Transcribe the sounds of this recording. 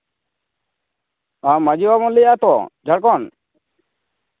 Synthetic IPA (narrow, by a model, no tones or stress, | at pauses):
amad͡ʒiwabɔnlɛjat̪ɔ̰d͡ʒʱaɽk̬ɔn